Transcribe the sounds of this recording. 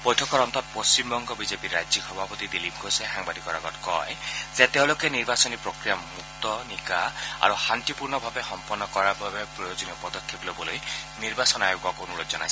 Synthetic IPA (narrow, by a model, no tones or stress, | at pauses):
pɔjtʰɔkɔɾɔnt̪ɔt̪̚pɔst͡ʃimbɔŋɡɔbizepiɾːad͡ʒixʰɔbʱapɔt̪id̪ilibɡʱoseɦaŋbad̪ikɔɾaɡɔtkɔ̰ezet̪ew̃lokeniɾbasɔnipɾɔkɾijamuk̚t̪ɔnikaa̰ɾuhant̪ipuɾnɔbʱabexɔmpɔnːɔkɔɾababepɾɔjod͡ʒɔniɔpɔd̪ɔkʰːeplobɔlojniɾbasɔnajoɡɔkonulɔd͡ʒɔna̰js